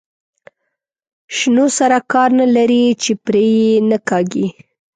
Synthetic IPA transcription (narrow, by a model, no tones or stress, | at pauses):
ʃnosaɾakɑɾnalaɾit͡ʃepɾejenakɑɡi